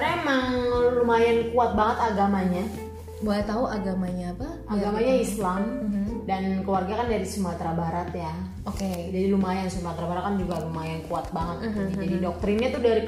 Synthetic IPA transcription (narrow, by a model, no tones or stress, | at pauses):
ɾaemaŋlumajankuat̪̚baŋət̪aɡamaɲa | bolɛt̪auʔaɡamaɲaːpa | aɡamaɲaislam̩dankəwarɡakandaɾisumat̪ɾabaɾat̪ja | oked͡ʒadilumajansumat̪ɾabaɾat̪̚kand͡ʒuɡaɾumajankuat̪̚baŋət̪̚ɲid͡ʒadidɔk̚t̪ɾɪnɲat̪ʊdaɾi